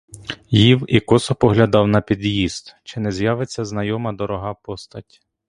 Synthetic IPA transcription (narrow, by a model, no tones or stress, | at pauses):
jiwikɔsɔpɔɦlʲɐd̪ɑwnɐpʲid̪jizt̪t͡ʃɪnɛzjɑʋet͡sʲːɐznɐjɔmɐd̪ɔɾɔɦɑpɔst̪ɐtʲ